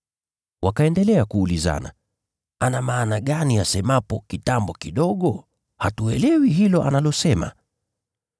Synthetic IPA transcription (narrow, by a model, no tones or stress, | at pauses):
wʔakaɛndɛlɛakuːliza̰na̰ | anamaːnaɠaniasɛmapɔkitambɔkiɗɔɠɔ | hatuɛlɛwiɦilɔʔa̰nalɔsɛma̰